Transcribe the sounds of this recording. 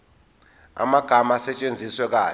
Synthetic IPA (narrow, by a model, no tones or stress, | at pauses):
a̰maɡ̥ʱamasɛt͡ʃʼend͡zʱiswɛk̬aː